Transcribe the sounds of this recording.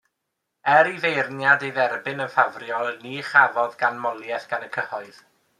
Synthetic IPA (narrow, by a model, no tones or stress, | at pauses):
ɛɾivejrnjadejðɛrbɪnənfavrjɔlˠniːχavɔðɡanmɔlˠjɛθɡ̥anəkʰəhɔɨð̥